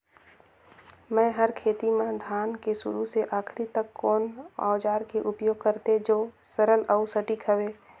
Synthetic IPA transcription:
mɛ̃ːɦəɾkʰeːt̪imãd̪ʱjaːnkesʊ̰ɾuseʔaːkʰɾit̪əkʰːɔːna̰ːd͡ʒaːɾkeʔʊpjoːɡ̚kəɾt̪ed͡ʒoː | səɾələʊsəʈikʰəʋeː

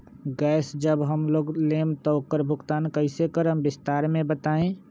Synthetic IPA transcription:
ɡɛːsd͡ʒəbɦəmloːɡlemt̪ɔokəɾbʱʊɡt̪ankəɪsekəɾəmbɪst̪aɾmẽbət̪aẽ

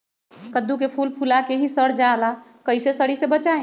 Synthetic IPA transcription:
kəd̪uk̬epʰulpʰulakeɦisəɽd͡ʒala | kəjsesəɽisebət͡ʃaẽ

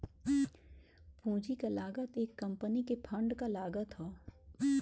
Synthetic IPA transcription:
pũːd͡ʒikalaːɡət̪eːkːɐ̃mpənikepʰɐ̃ɳɖkalaːɡət̪ɦoː

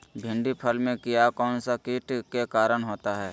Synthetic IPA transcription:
bʱɪ̃ɳɖipʰəlmẽkɪjakɔːnsakiʈkekaːɾəɽ̃ɦoːt̪aɦɛː

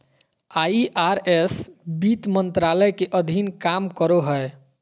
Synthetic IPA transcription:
aiʔaɾesbit̪mənt̪ɾaləjkeʔəd̪ʱinkamkəɾoɦəe

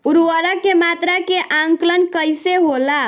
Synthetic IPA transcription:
uɾwəɾakemat̪ɾakeʔaŋklənkəjseɦola

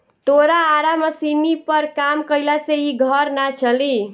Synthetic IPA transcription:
t̪oɾaːɾaməsinipəɾkamkəjlaseiɡʱəɾnat͡ʃʰəli

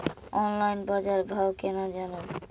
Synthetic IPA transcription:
ɔnlajnbad͡ʒaɾbʱawkɛnad͡ʒano

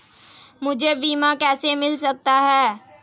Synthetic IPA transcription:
mʊd͡ʒʱebiːmãkɛːsemɪlsɐk̚t̪aɦɛː

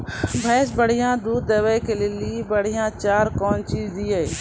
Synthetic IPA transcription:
bʱɛːs̬bəɽ̤ijãːd̪uːd̪ːeːwəjkeleliebəɽ̤ijãt͡ʃaːɾkɔːnt͡ʃiːd͡ʒd̪iɛ

